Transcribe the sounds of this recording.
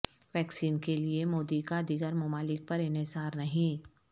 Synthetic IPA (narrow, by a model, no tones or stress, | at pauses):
ʋɛːksiːnkeliemoːd̪ikad̪iɡəɾmʊmaːlɪk̚pɐɾɪnɪzaːɾnɐɦĩ